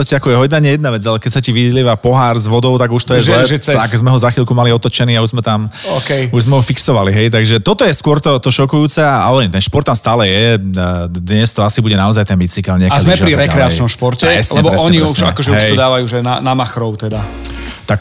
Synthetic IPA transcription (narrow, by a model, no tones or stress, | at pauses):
t̪ɔscɛakɔjɛɦɔj̪naɲɛjɛd̪naʋɛd͡zalɛkɛcsaciʋiliːʋapɔɦaɾzʋɔd̪ɔʊt̪aɡuʃt̪ɔjɛzlɛʒɛt̪aaɡzmɛɦɔzaxilkumaliɔt̪ɔt͡ʃɛniːauʒzmɛt̪amɔkɛjuʒzmɛɦɔfiksɔʋaliɦɛjt̪aɡʒɛt̪ɔt̪ɔjɛskʊɔɾt̪ɔt̪ɔʃɔkujuːt͡sɛaalɛɲt̪ɛnʃpɔɾt̪ːamst̪aːlɛjɛ | d̪ɲɛst̪ɔasibuɟɛnaɔzajt̪ɛnbit͡sikalɲɛkazamɛpɾiɾɛkɾɛat͡ʃnɔmʃpɔɾcɛɾɛslɲɛbɔɾɛɔɲɛɲiɛsuʃɲa̰kɔʒɛɦuɛj̪ɔd̪aːʋajuːʒɛna̰namaxɾɔʊt̪ɛd̪a | t̪ak